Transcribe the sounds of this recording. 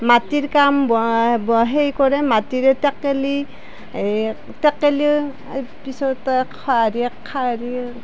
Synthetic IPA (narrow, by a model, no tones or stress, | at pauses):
matiɹkambɔbɔɦejkɔɾɛmatiɾɛtɛkːeli | tɛkːeli | pisɔtkʰaɾikʰaɾi